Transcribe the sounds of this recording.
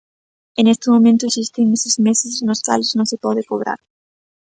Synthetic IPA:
ɪnest̪ɪmomẽnt̪ʊesist̪ɪŋesɪzmesɪsnʊska̰lɪznõŋsɪpɔðɪkoβɾa̰ɾ

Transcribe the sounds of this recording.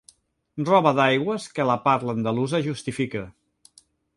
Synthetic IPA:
rrɔβəðajɣwəskələpaɾt̪lənd̪əluzəʒust̪ifikə

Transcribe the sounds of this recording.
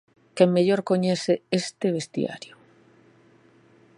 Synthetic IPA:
kemmeʎoɾkoɲeθeest̪ɪβ̞est̪j̰a̰ɾjʊ

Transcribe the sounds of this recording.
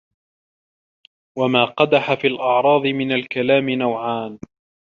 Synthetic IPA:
wamaːqɑd̪aħafiːlʔɑʕɾˤɑːd̪ˤɨmɪnalkalaːmɪnawʕaːn

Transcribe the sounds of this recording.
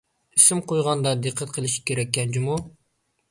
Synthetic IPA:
isɪmqojʁɑnd̪ɑd̪ɨqʰːət̪̚qʰəlˠɪʃi̥kʲʰeɾɛkʲːɛnt͡ʃʰimu

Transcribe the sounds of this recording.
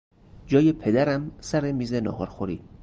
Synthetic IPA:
d͡ʒɒːjepʰe̞d̪æɾæmsæɾemiːzenɒ̰ːhɒɾxoɾḭ̥ː

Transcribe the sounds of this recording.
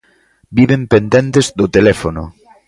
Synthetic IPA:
biβempend̪ent̪ezðot̪elɛfono

